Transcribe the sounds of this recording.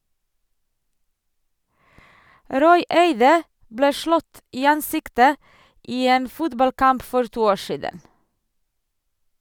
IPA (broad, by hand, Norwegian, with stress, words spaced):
ˈɾɔʏ ˈeɪdə ˈbleː ˈʃlɔt ˈiː ˈɑnˌsɪktə ˈʔiː ˈeːn ˈfʊtbɑlˌkɑmp ˈfɔɾ ˈtuː ˈoː ˈʃiːdən